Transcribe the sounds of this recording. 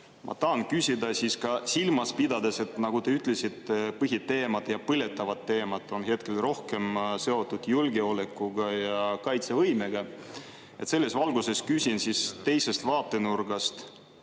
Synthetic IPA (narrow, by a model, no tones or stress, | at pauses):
mʔɑ̰t̪ɑːnkysʲid̪ɑsiskɑsilmɑspid̪̥ɑd̪e̞se̞t̪nɑɡ̥ut̪eyt̪ːˑle̞sit̪pɤɦit̪ːe̞ːmɑd̪jɑpɯlʲe̞t̪ːˑɑvɑt̪ːe̞ːmɑd̪ˑo̞nɦe̞t̪̚ke̞lro̞hke̞mse̞o̞t̪ːˑud̪̥julɡe̞o̞le̞kːuɡ̥ɑjɑkɑjt̪se̞vɤjme̞ɡ̥ɑ | e̞t̪se̞lːe̞svɑlɡuse̞skysʲinsist̪e̞jse̞st̪vɑːt̪ːˑe̞nurɡ̥ɑst̪